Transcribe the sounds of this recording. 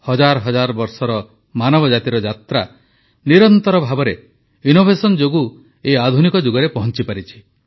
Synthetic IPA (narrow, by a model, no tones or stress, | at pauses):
hɔd͡ʒaɾɔɦɔd͡ʒaɾɔbɔɾsɔɾɔ | manɔbɔd͡ʒat̪iɾɔd͡ʒat̪ɾa | niɾɔnt̪ɔɾɔbʱabɔɾe | inobʱesɔnd͡ʒoɡu | ead̪ʱunikɔd͡ʒuɡɔɾepɔɦɔnt͡ʃipaɾit͡ʃʰi̥